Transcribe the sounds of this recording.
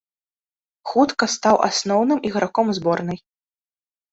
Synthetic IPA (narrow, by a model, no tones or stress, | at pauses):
xut̪kɐst̪awʔa̰snɔwnɨmʔiɣɾakɔmzbɔrnɨj